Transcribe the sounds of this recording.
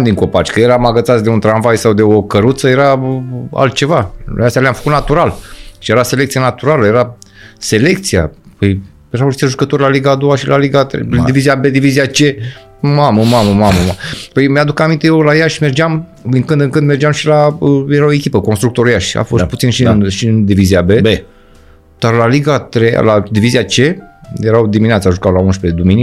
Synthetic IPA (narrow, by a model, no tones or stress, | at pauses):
md̪iŋko̞pat͡ʃʲkəje̞ɾamaɡət̪sat̪sʲd̪e̞unt̪ɾanvajsawd̪e̞okəɾut̪səje̞ɾaa̰lt̪̚t͡ʃe̞va̰ast̪jalʲamfə̥kut̪nat̪uɾalʃije̞ɾase̞lekt̪sianat̪uɾaləje̞ɾase̞le̞k̚t̪sija̰pəj | jeɾawit̪eʒukət̪o̞rʲlaliɡaːd̪o̞waʃilaliɡat̪ɾḛd̪iviziabed̪iviziat͡ʃe̞ | maməmaməmaməmapəjmead̪ukamint̪ejewlajaʃʲme̞rd͡ʒam | ɨŋkɨnd̪ɨŋkɨnd̪me̞rd͡ʒamʃilaəjeɾaoekʲipəko̞nst̪ɾuk̚t̪o̞ɾjaʃʲa̰fo̞st̪̚put̪sinʃinʃiɨnd̪iviziabe̞be | d̪̥arlaliɡat̪ɾeja̰lad̪iviziat͡ʃe̞jeɾawd̪imʲineat̪saʒukawlaunʃped̪umini